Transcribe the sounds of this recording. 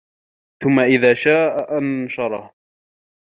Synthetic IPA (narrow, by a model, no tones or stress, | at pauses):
θʊmːaʔɪðaːʃaːʔaʔanʃɑɾˤɑh